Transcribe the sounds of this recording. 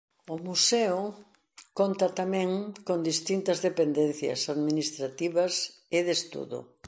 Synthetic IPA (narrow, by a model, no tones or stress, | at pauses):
ʊmusɛʊ | kont̪ɐt̪amɛ̃ŋkond̪ist̪int̪ɐzðepend̪ɛnθjɐ̰saðminist̪ɾat̪iβɐsɪðest̪ṵðʊ̰